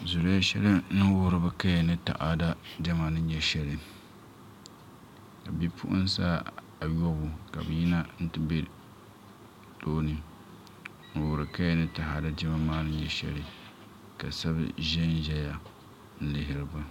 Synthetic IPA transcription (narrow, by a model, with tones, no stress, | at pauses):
zʊ˨ɾja˦ʃɛ˦lɨ˦nɨ˦wʊ˦ɾɨ˨bɨ˦ka˦ja˨nɨ˦ta̰˨ʔa˨da˦d͡ʒɛ˦ma˨nɨ˦ɲɛ˦ʃɛ˦lɨ˨ | ka˨bi˦pʰʊ̰˦ʔʊ̰˦n˦sa̰˦ | a˨jo˦bʊ˨ka̰˨bɨ˨ji˦na˦n̩˦tɨ˦be˦ | toː˦nɨ˦ | n̩˨wʊ˨ɾɨ˨ka˦jnɨ˦ta˨ha˨da˦d͡ʒɪ˦ma˦maː˦nɨ˦ɲɛ˦ʃɛ̰˦lɨ˨ | ka˨sa˦bɨ̰˦ʒɛ˦n˦ʒɛ˦ja˨ | n̩˦lɪ˨ɦɪ˨ɾɨ˨bɨ˦